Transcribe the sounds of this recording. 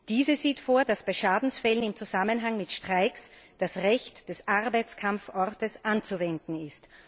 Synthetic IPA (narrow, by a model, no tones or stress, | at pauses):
d̥iːzəziːtfoːɐdasb̥aɪʃaːdn̩sfɛlənɪmt͡suzamənɦaŋmɪtʃtʁ̥aɪksd̥asʁɛçtd̥ɛsʔaʁbaɪt͡skʰamfʔɔʁtəsʔant͡suvɛndn̩ɪst